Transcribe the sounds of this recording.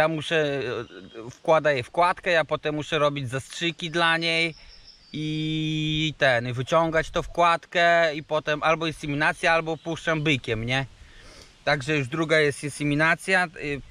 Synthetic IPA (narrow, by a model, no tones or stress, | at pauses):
jamuʂɛ | fkwad̪ajɛfkwat̪kɛjapɔt̪ɛmːuʂɛɾɔbʲid͡ʑzastʂɘkʲid̪laɲej | i | t̪ɛnvɘt͡ɕɔŋɡat͡ɕt̪ɔfkwat̪kɛipɔt̪ɛmalbɔinsɛmʲinat̪sʲjaalbɔpuʂt͡ʂambɘkʲɛmɲɛ | t̪aɡʐɛjuʐd̪ɾuɡajɛst̪insɛmʲinat̪sʲja